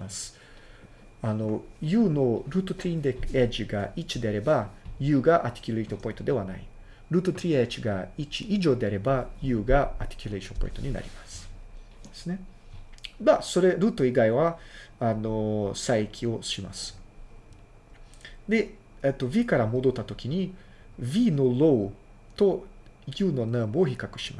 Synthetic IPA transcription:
asɨ̥ | ano̞jɯ̟ːno̞ɾɯ̟ːt̪ot̪ɾʲiĩnd̪eked͡ʑiɡait͡ɕid̪e̞aɾe̞bajɯ̟ːɡaʔat̪ʲi̥kʲyleit̪opõ̞ĩnt̪o̞d̪e̞βana̰i | ɾɯ̟ːt̪ot̪ɾʲiet͡ɕiɡait͡ɕiiʑo̞ːd̪e̞aɾe̞bajɯ̟ːɡaa̰t̪ʲi̥kʲyleʃõ̞mpo̰ĩnt̪oɲ̟ina̰ɾʲḭmasɨ̥ | d̪esɨne̞ | maso̞ɾe̞ɾɯ̟ːt̪o̞iɡaiβaano̞saikʲʰio̞ɕima̰sɨ̥ | d̪e̞ | et̪ːo̞βʲikaɾamo̞d̪o̞t̪ːat̪o̞kʲiɲ̟i | vʲino̞lo̞ɯ | t̪o̞jɯ̟ːno̞namooçikakɯ̟ɕima

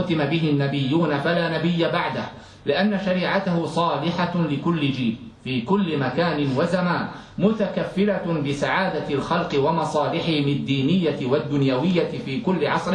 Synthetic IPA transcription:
ʊt̪ɪmabɪɦɪnːabɪjːuːnafalaːnabɪjːabaʕd̪ah | lɪʔanːaʃaɾiːʕat̪ahʊsˤɑːlɪħalɪkʊlːɪd͡ʒiːlfiːkʊlːɪmakaːnɪnwazamaːn | mʊt̪akafːɪɾabɪsaʕaːd̪alxɑlqɪwamɑsˤɑːlɪħɪhɪmɪad̪ːiːnɪjːat̪wad̪ːʊnjawɪjːafiːkʊlːɪʕɑsˤɾɪ

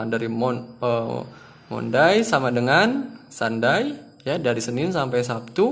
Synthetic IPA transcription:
daɾiɔnə | mɔ̰ndajsamadəŋansandaj | jadaɾisənɪnsampajsap̚t̪u

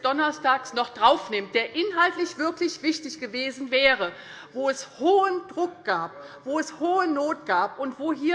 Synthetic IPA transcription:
d̥ɔnɐstaːksnɔχd̥ʁaʊfnɪmt̚d̥eːɐʔɪnɦaltlɪçv̥ɪɐklɪçv̥ɪçtɪçɡ̥əveːzn̩vɛːʁə | voːɛshoːəndʁʊk̚ɡ̥aːp̚v̥oːɛshoːənoːt̚ɡ̥aːpʔʊntv̥oːɦiːɐ

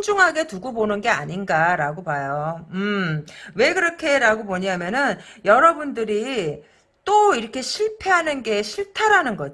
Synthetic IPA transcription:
nd͡ʑuŋɦaɡe̞tuɡobonɯnɡe̞aɲinɡaɾaɡopajoɯ | we̞ɡɯɾʌkʰe̞ɾaɡomoɲamjʌnɯnjʌɾʌbundɯɾi | t͈oiɾʌkʰe̞ɕʰiɭpʰe̞ɦanɯnɡe̞ɕʰiɭtʰaɾanɯnɡʌd͡ʑ

